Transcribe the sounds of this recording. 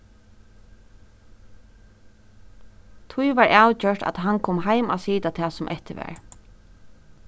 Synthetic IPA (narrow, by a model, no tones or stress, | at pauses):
t̪ʰʊjʋaɹʔawt͡ʃœʈa̰t̪ɦankʰɔːmɦajma̰siːt̪at̪ʰɛːsʊmʔɛht̪ɪʋɛ̰ːɹ